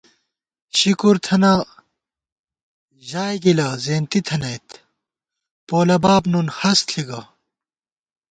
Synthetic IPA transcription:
ɕikuɾt̪ʰɐnɐ | ʑaːjɡilɐzeːnt̪it̪ʰɐnɐjt̪ | poːlɐbaːbnunhɐst̪ɬʰiɡɐ

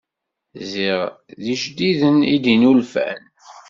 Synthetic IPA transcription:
ziʁ | ðiʃd̪iðənḭd̪inulfæ̰n

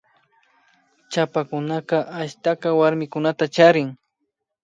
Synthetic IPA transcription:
t͡ʃapakʊnaqɑʔaʃt̪aqɑwaɾmɪkʊnat̪at͡ʃaɾɪŋ

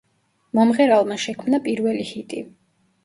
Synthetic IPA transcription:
mɔmʁɛɾalˠmaʃɛkʰmnapʼiɾvɛlihit̪ʼi

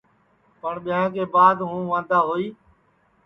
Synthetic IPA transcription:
pəɳɓɪjãːk̬eːbaːd̪ɦũːʋãːnd̪aːɦoːiː

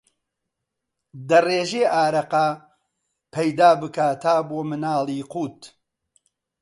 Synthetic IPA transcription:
d̪ɐreːʒeʔaːɾɐqɐ | pʰɐjd̪aːbɨkaːt̪ʰaːboːmɨnaːlˠiːquːt̪

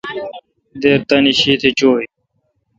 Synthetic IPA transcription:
d̪eːɾt̪ɐniɕiːt̪ʰet͡ɕoːj

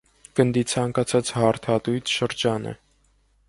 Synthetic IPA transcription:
ɡ̥ənd̪it͡sʰɑŋkɑt͡sʰɑt͡shɑɾt̪ʰɑt̪ujt̪ʰʃəɾd͡ʒɑnə̰

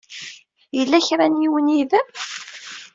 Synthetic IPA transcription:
jəlːæçɾˤanjiwəniðæm

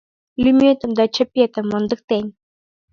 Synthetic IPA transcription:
lʲymʲet̪ə̆md̪ɑt͡ɕə̆pʲːet̪ə̆mːɤnd̪ɤ̆k̚t̪enʲ

